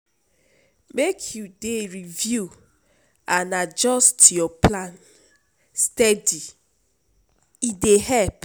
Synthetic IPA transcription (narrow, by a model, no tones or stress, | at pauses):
mekʰjudeɹivju | anad͡ʒɔstjɔpʰlãn | stɛdi | idehɛlp